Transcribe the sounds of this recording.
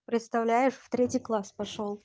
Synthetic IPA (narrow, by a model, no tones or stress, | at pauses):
pɾʲɪt̪st̪ɐvlʲæjɪʂft̪ɾʲetʲɪjklˠaspɐʂolˠ